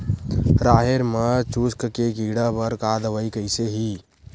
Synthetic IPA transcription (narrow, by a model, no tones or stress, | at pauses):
ɾaɦeɾmət͡ʃuskkekiɽəbəɾkad̪əʋəjkəɪseɦi